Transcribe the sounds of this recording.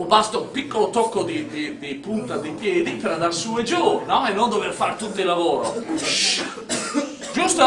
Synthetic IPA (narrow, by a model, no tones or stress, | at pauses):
ubast̪oumpikːolot̪ɔkːod̪id̪id̪ipunt̪ad̪ipjɛːd̪ipeɾad̪arsued͡ʒornɔenːond̪overfaɾt̪ut̪ːilavoːɾo̰ʃ | d͡ʒust̪o